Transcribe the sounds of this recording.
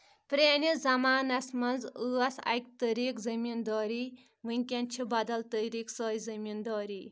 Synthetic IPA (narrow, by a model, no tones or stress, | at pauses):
pɾeːnizɐmaːnɐsmɐnzuɐsa̰jk̚t̪əɾiːkzɐmind̪ɔːɾi | ʋɨnʲkʲɐnt͡ʃʰibɐd̪ɐlt̪əɾiːksɔːjzɐmind̪ɔːɾi